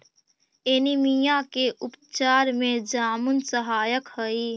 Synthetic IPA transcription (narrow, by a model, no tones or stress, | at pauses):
enimijãkeʔʊpt͡ʃaːɾmẽd͡ʒaːmʊnsəɦaːjəkhəi